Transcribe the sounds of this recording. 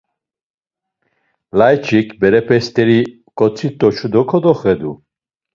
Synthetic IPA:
lajt͡ʃʰikʰbɛɾɛpʰɛst̪ʼɛɾi | kʼɔt͡sʰit̪ʼːɔt͡ʃʰud̪ɔkʰɔd̪ɔχɛd̪u

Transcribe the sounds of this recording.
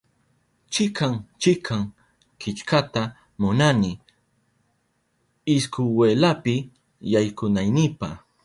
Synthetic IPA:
t͡ʃɪkaŋt͡ʃɪkʰaŋ | kɪt͡ʃkat̪a | mʊnanɪ | ɪskʊweːlapɪ | jajkʊnajnɪpa̰

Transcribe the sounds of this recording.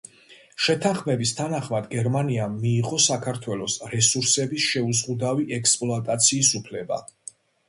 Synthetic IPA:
ʃɛt̪ʰaχmɛbist̪ʰanaχmad̪ɡɛɾmaniamːiːʁʼɔsakʰaɾt̪ʰwɛlɔsɾɛsuɾsɛbisʃɛuzʁud̪aviʔɛkspʼlˠɔat̪ʼat̪sʰiːsupʰlɛba̰

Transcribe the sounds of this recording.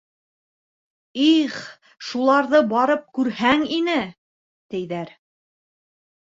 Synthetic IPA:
iχ | ʃulˠɑɾðɤbɑɾɤp̚kʉɾhæŋinɘ | t̪ɘ̆jðæɾ

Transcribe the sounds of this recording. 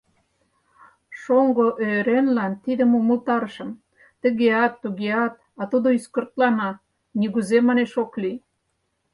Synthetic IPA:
ʃoŋɡoʔøɾenlɑnt̪id̪əmuməlt̪ɑɾəʃə̆m | t̪ə̆ɣeɑt̪ːuɣeɑt̪ | ɑt̪ud̪oyskərt̪lɑnɑ | niɣuzemɑneʃokli

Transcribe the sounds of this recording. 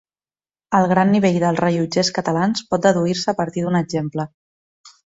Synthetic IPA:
əlˠɣɾanːiβ̞eʎðəlˠzrəʒud͡ʒeskət̪əlanspɔt̪̚d̪əðuiɾsəːpəɾt̪iðunəɡʒemplə

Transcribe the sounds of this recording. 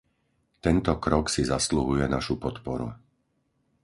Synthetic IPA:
t̪ɛnt̪ɔkɾɔksizasluɦujɛnaʃupɔt̪pɔɾṵ

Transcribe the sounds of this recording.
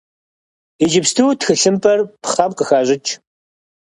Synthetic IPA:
ed͡ʒɪpstʰuwtxɨɬɨmpʼɐrpʰχaːmqəxaːʑɪt͡ʃʰʼ

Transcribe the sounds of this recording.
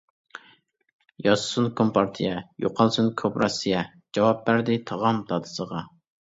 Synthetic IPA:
jɑssunkʰompɑɾt̪ʰijɛjo̰qʰɑlˠsunkʰopɾɑsijɛ | d͡ʒɑwɑp̚bæɾd̪ɪt̪ʰɑʁɑmd̪ɑd̪ɨ̥səʁɑ

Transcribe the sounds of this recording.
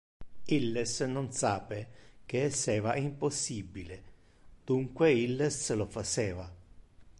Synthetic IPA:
ilːesnonsaːpek̟eɛsːɛːvaimposːibile | d̪̥uŋkweilːeslofat͡ʃɛːva

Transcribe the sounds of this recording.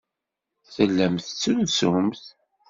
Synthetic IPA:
θəlːəmθt͡sːəlsʊmθ

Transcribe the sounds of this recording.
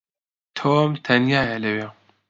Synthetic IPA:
t̪ʰoːmt̪ʰɐnjaːjɛlɐwe

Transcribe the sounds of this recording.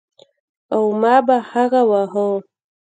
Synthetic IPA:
awmɑbahaɣawaɦo

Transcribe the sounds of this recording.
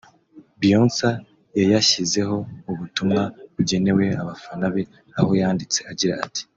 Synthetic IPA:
bijonsa | jajaʃize̞ɦo̞uβutumŋaβuɟe̞ne̞we̞aβafanaβe | aho̞jaːndit͡se̞aɟiɾa̰ːti̥

